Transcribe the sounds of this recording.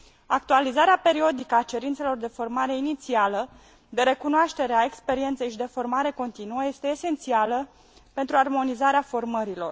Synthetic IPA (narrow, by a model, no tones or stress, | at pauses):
ak̚t̪ualizaɾeape̞ɾio̞d̪ikəat͡ʃe̞ɾint̪se̞lo̞rd̪e̞fo̞rmaɾe̞init̪sialə | d̪e̞ɾe̞kunoaʃt̪e̞ɾeae̞kspe̞ɾie̞nt̪sejʃid̪e̞fo̞rmaɾe̞ko̞nt̪inuəje̞st̪eːse̞nt̪sialə | pe̞nt̪ɾuarmo̞nizaɾeafo̞rməɾilo̞̰r